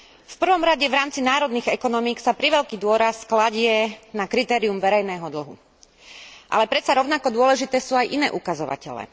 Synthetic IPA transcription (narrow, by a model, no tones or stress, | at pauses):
fpr̩ʋɔmɾaɟɛʋɾaːmt͡sinaːɾɔd̪niːɣɛkɔnɔmiksapɾiʋɛʎkiːd̪ʊɔɾasklaɟɪɛnakɾit̪ɛːɾiumʋɛɾɛjnɛːɦɔd̪l̩ɦṵ | ʔa̰lɛpɾɛt̪t͡saɾɔʊnakɔd̪ʊɔlɛʒit̪ɛːsuːajʔinɛ̰ːʔukazɔʋa̰cɛlɛ̰ː